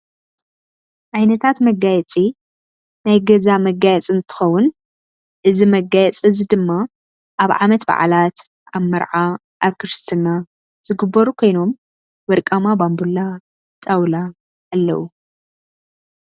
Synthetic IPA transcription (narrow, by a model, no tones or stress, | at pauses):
ʕajnɐt̪ʰat̪mɐɡajɛt͡sʼi | najɡɐzamɐɡajɛt͡sʼɨnt̪ʰɨ̥xɐwːʊn | ʔɨzimɐɡajɛt͡sʼɨzid̪ɨmːa | ʔaβʕa̰mɐt̪ba̰ʕa̰lat̪ | ʔaβmɐɾʕa | ʔaβkʰɨɾɨst̪ʰɨna | z̥ɨɡɨbːɐɾukʰo̞jno̞m | wɐɾkʼamabambulːa | t͡sʼawla | ʔalːɐ̰wu